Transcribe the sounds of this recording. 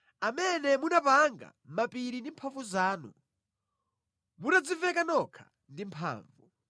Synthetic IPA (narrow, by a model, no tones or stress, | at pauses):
amɛnɛmunapaŋɡa̰mapiɾindimpʰavuzaːnu | munad͡zivɛkanɔkʰḁ̰ | ndimpʰa̰ːɱvu